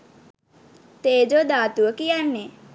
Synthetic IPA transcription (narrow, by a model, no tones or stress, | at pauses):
t̪eːd͡ʒod̪aːt̪uəkijanːe